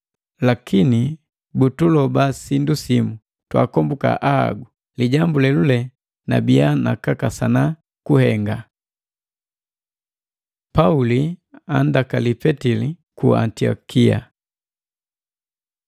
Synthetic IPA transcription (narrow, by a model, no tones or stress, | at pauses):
lakʰini | butulɔbasindusimu | twa̰kɔmbuka̰ʔaa̰ɡu | liɟambulɛlulɛ | na̰bijana̰kakasana | kuhɛŋɡa | paulia̰ndakalipɛtili | kṵa̰ntiɔ̰kia̰